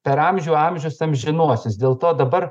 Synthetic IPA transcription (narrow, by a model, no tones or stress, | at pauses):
pʲɛɾɐmʲʒʲuːɐmʲʒʲʊsɐmʒʲɪnuɔsʲɪsdʲeːlˠt̪oːd̪ɐbɐr